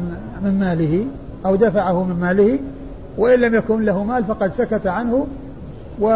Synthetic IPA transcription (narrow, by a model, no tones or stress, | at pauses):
mɪmmaːlɪhɪ | ʔawd̪afaʕahʊmɪmmaːlɪhɪ | waʔɪnlamjakuːnlaɦʊmaːlfɑqɑd̪sakat̪aʕanhʊ | wɪ